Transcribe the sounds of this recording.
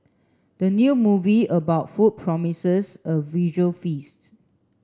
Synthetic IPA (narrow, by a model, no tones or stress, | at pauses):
d̥ənjumuviəbaʊtfut̚pʰɹɔmisəsəviʒəfist̚